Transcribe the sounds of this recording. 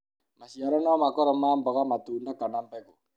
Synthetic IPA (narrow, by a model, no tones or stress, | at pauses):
maʃiaɾɛnɔmakɔɾɔmaːmbɔɣamatuːndakanambɛko